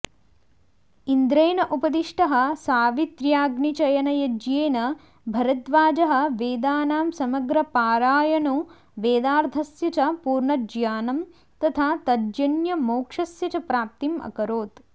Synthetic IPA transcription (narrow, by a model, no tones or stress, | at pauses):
ind̪ɾɐjnɐʔupɐd̪iʂʈɐɦɐ̆saːʋit̪ɾjaːɡnit͡ʃɐjɐnɐjɐd͡ʒjeːnɐ | bʱɐɾɐt̪ʋaːd͡ʒɐɦɐ̆ʋeːd̪aːnaːmsɐmɐɡɾɐpaːɾaːjɐɳu | ʋeːd̪aːɾd̪ʱɐsjɐt͡ʃɐpuːɾɳɐd͡ʒjaːnɐm | t̪ɐt̪ʰaːt̪ɐd͡ʒjɐnjɐmoːkʂɐsjɐt͡ʃɐpɾaːp̚t̪imɐ̰kɐɾoːt̪